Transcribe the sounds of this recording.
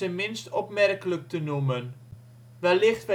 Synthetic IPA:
əmɪnstɔpmɛrkələk̚tənumən | ʋɛlɪχtʋɛ

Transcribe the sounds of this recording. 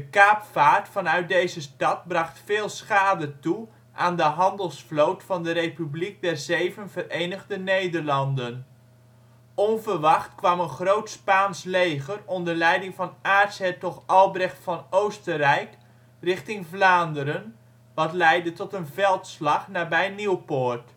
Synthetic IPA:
dəkaːpfaːɹtfɑnœɥt̚dejzəstɑt̚brɑχtfɪːlˠsχaːdətu | ʔaːndəɦɑndəlˠsflowtfɑndəɾejpyblik̚dɛɹzejvənvəɾejnəχdənejdəɹlɑndən | ɔnvəɹʋɑχtkʋɑmənχrowtspaːnslejχərɔndəɹlɛjdɪŋvɑnaːɹtsɛtɔtɑlˠbrɛχtfɑnowstərɛjk | rɪχtɪŋvlaːndəɾən | ʋɑtlɛjdətɔtənvɛlˠtslɑχnaːbɛjniwpoːɹt

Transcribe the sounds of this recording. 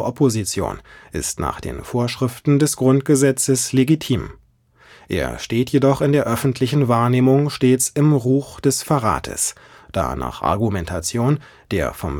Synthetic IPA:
ʔɔpʰozit͡sjo̰ːnʔɪ̰stna̰ːχd̥ḛːnfoːɐʃʁ̥ɪftn̩dɛsɡ̥ʁʊntɡ̥əzɛt͡səsleɡitʰiːm | ʔḛːɐʃteːtʰjedɔχɪndeːɐʔœfn̩tʰlɪçn̩vaːɐneːmʊŋʃteːt͡sɪmʁuːxd̥ɛsfaʁa̰ːtʰə̰s | d̥a̰ːna̰ːχʔa̰ɐɡumɛntʰat͡sjoːn | d̥eːɐfɔ̰m

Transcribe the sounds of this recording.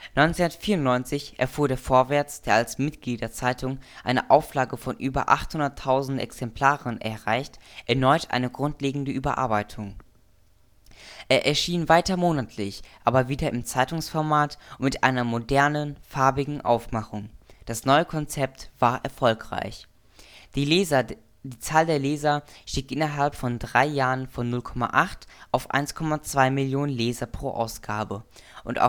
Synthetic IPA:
nɔʏnt͡senɐtfiːɐʊntnɔʏnt͡sɪçʔɛɐfuːɐɾeːɐfoːɐvɛɐt͡sd̥eːɐalsmɪtɡ̥liːdɐt͡saɪtʰʊŋʔaɪnəʔaʊflaːɡəfɔnʔyːbɐ̰ʔaχthʊndɐtʰːaʊzn̩tʔɛ̰ksɛmpl̥aːʁənʔɛ̰ɐʁaɪçtʔɛɐnɔʏtʰʔa̰ɪnəɡʁʊntleːɡŋ̩dəʔyːbɐʔa̰ɐbaɪtʰʊŋ | ʔeːɐʔɛɐʃiːnvaɪtɐmoːnatʰlɪçʔaːbɐviːdɐʔɪmt͡saɪtʊŋsfɔɐmaːtmɪtʔa̰ɪnɐmodɛɐnənfaɐbɪɡŋ̩ʔa̰ʊfmaχʊŋd̥asnɔʏəkʰɔnt͡sɛp̚tv̥aːɐʔɛɐfɔlkʁ̥a̰ɪç̥ | diːt͡saːldeːɐleːzɐʃtiːkʔɪnɐɦalpfɔndʁaɪjaːʁənfɔnːʊlkʰɔma̰ʔaχtʔaʊfʔa̰ɪnskʰɔmat͡sv̥aɪmɪljoːnənleːzɐpʁ̥oːʔa̰ʊsɡ̥aːbəʔʊntʔa̰

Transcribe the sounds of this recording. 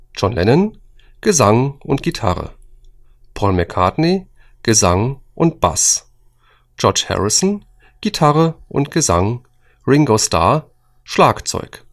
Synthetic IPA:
d͡ʒɔnlʔɛnən | ɡ̥əzaŋʔʊntɡ̥itʰa̰ʁə̰ | pʰɔlmɛkʰadne | ɡ̥əzaŋʔʊnt̚b̥a̰s | d͡ʒɔɐt͡ʃhɛ̰ʁɪsn̩ | ɡ̥itʰaʁəʔʊ̰ntɡ̥əzaŋ | ʁɪŋɡostʰa̰ːɐ | ʃlaːkt͡sɔ̰ʏk

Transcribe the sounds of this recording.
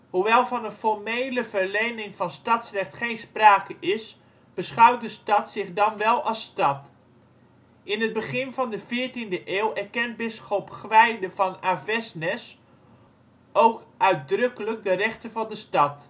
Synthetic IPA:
huʋɛlˠvɑnənfɔɹmejləvərlejnɪŋvɑnstɑtsrɛχtχejnspraːkəʔɪs | b̥əsχœwt̚dəstɑtsɪχdɑnʋɛlˠɑstɑt | ʔɪnɦəd̚bəχɪnvɑndəvɪːɹtindəʔɪːlˠɛɹkɛnt̚bɪsχopkʋɛjdəvɑnavɛsnɛs | owkœɥt̚drɵkələk̚dərɛχtəvɑndəstɑt

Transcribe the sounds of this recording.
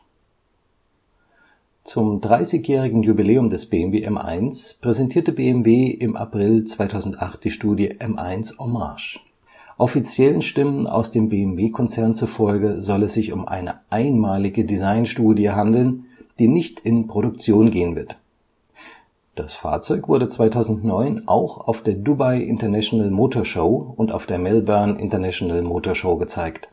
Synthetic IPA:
t͡sʊmdʁaɪsɪçjɛːʁ̞ɪɡŋ̩jubileːʊmdɛsb̥eːɛmveːʔɛmʔa̰ɪnspʁ̥ɛzɛntʰiːɐtəbeːɛmveːʔɪmʔa̰pʁ̥ɪlt͡sv̥aɪtʰaʊzn̩tʔaχt̚d̥iːʃtuːdjəʔɛmʔa̰ɪnsʔoma̰ɐʃ | ʔɔfit͡sjɛlənʃtɪməna̰ʊsd̥eːmbeːɛmveːkʰɔnt͡sɛɐnt͡sufɔlɡəzɔlɛsz̥ɪçʊmʔa̰ɪnə̰ʔaɪnmaːlɪɡədizaɪnʃtuːdjəɦandl̩nd̥iːnɪçtɪnpʁ̥oɾʊk̚t͡sjoːnɡeːənvɪɐt | d̥asfa̰ːɐt͡sɔʏkv̥ʊɐdət͡sv̥aɪtʰaʊzn̩tnɔʏnʔa̰ʊxa̰ʊfd̥eːɐdubaɪʔɪ̰ntɐnɛʃonalmoːtʰoːɐʃoʊʊnta̰ʊfd̥eːɐmɛlbœɐnʔɪ̰ntɐnɛʃonalmoːtʰoːɐʃoʊɡət͡saɪkt

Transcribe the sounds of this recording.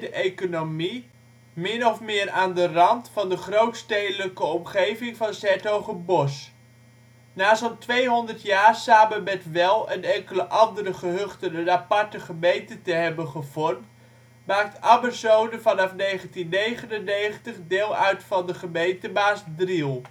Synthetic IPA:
dəʔejkonomi | mɪnɔfmɪːɾaːndərɑntfɑndəχrowtstejdələkəɔmχejvɪŋvɑnsɛtowχəbɔs | naːsɔltʋejɦɔndərtjaːrsaːməmɛtʋɛlˠənɛŋkələʔɑndəɾəχəɦɵχtənənapɑɹtəχəmejntətəɦɛbəχəv̥ɔrmt | maːk̚tabərsowdəvɑnɑfnejχəntinːejχənənːejχəntəχdɪːlˠœɥtfɑndəχəmejntəbaːsdrilˠ

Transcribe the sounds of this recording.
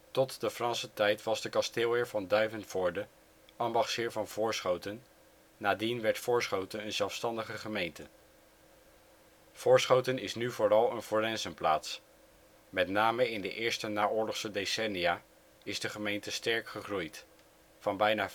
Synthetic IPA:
tɔtdəfrɑnsətɛjtʋɑzdəkɑstɪːlˠɪːɹvɑndœɥvənfʊːɹdə | ʔɑmbɑχshɪːɹvɑnvʊːɹsχowtənː | aːdinʋɛɹtfʊːɹsχowtənənzɛlˠfstɑndəχəχəmejntə | v̥ʊːɹsχowtənɪsnyvʊːrɑlˠənfoːrɛnzənpla̰ːts | mɛtnaːməɪndəʔɪːɹstənaːʊːɹlɔχsədesɛnijaː | ɪzdəχəmejntəstɛɹkχəχrujt | fɑnbɛjnaː

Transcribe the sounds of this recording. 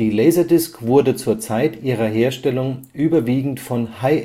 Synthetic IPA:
iːlɛɪzɐdɪskv̥ʊɐdət͡suːɐt͡saɪtʔiːʁ̞ɐɦeːɐʃtɛlʊŋʔyːbɐviːɡŋ̩tfɔnhaɪ

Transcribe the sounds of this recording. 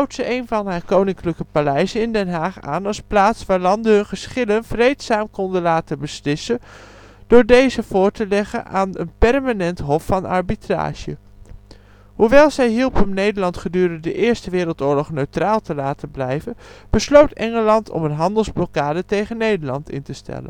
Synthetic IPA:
awtsəʔejnvɑnɦaːɹkownɪŋkləkəpalɛjzənɪndɛnɦaːχa̰ːnɑlˠsplaːtsʋaːɹlɑndəɦɵnχəsχɪlənv̥rejtsaːmkɔndəlaːtənbəslɪsən | d̥ʊːɹdejzəv̥ʊːɹtəlɛχə̰nʔaːnə̰npɛrmanɛntɦɔfːɑnɑ̰ɹbitra̰ːʒə̰ | ɦuʋɛlˠzɛjɦilˠpɦəmnejdəɹlɑntχədyːrənddəʔɪːɹstəʋɪːɾəlˠtʊːɹlɔχnøɥtraːlˠtəlaːtəblɛjvənb̥əslowtɛŋəlɑntʰɔ̰mənɦɑndəlˠzblɔokaːdətejχənːejdəɹlɑntɪ̰ntəstɛ̰lə̰n

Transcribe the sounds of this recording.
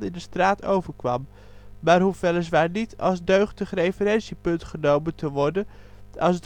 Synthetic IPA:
ɪndəstraːtʰowvəɹkʋɑ̰m | maːɹɦufʋɛlɪs̬ʋaːɹnitɑ̰lˠsdøɥχdəχrejfəɾɛnsipɵntχənowməntəʋɔɹdə | ɑlsd

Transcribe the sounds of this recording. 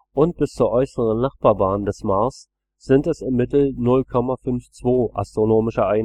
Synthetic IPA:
ʔʊnt̚b̥ɪst͡suːɐʔɔʏsəʁ̞ənnaχb̥aːɐbaːndɛsmaːɐs | z̥ɪntɛsɪmːɪtl̩nʊlkʰɔmafʏnft͡sv̥oːʔa̰stʁ̥onoːmɪʃɐʔaɪn

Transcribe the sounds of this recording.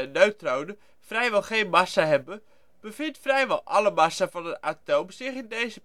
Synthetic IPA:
ɛnːøɥtrownə | frɛjʋɛlˠχejnmɑsaɦɛbə | b̥əvɪntfrɛjʋɑlˠʔɑləmɑsavɑnəatowmsɪχɪndejzə

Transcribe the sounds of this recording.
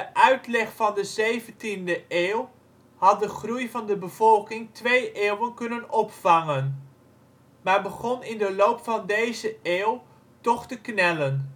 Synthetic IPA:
dəʔœɥtlɛχfɑndəzejvəntindəʔeːw | hɑt̚dəχrujvɑndəbəv̥ɔlˠkɪŋtʋejʔeːwənkɵnənɔpfɑŋən | maːɹbəχɔnɪndəlowpfɑndejzəeːw | tɔχtəknɛlən

